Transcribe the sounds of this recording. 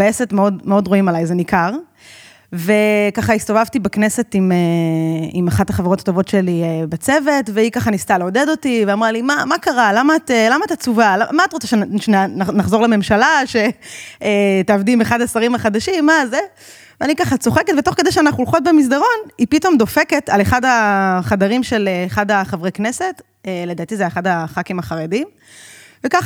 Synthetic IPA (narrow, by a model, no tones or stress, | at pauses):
beesetmeodmeo̞dʁoimalajzenikaʁ | ve̞kaχaist̪o̞vavt̪ibeknese̞time | imaχathaχaveʁo̞tḁto̞vo̞tʃe̞liebat͡se̞ve̞tveikaχanist̪aleode̞do̞tiveamʁalimamakaʁalamaːt̪elamaːt̪at͡suvalamaːtʁot͡saʃeʃaanaχzoʁleme̞mʃalaʃe̞etaavdimeχadasaʁimaχad̪aʃimːaze | veanikaχat͡so̞χeket̪veto̞χkedejʃeanaχulχo̞t̪̚bemis̬d̪aʁo̞nipito̞md̪o̞fe̞ketaleχadaχadaʁimʃe̞leχadaχavʁeknese̞t | eled̪at̪izeeχadaχakimaχaʁedim | vekaχ